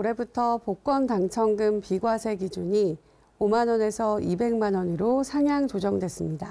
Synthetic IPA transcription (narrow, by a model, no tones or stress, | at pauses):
uɾe̞butʰʌpok͈ʌntaŋt͡ɕʰʌŋɡɯmpiɡwasʰe̞ɡid͡ʑuɲi | omanʌne̞sʰʌibe̞ŋmanʌniɾosʰaŋjaŋt͡ɕod͡ʑʌŋdwes͈ɯmɲida